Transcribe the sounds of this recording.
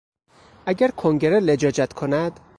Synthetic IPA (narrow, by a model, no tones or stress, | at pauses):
ʔæɟæɾkʰoŋɟe̞ɾeled͡ʒɒːd͡ʒæt̪kʰonæd̪̥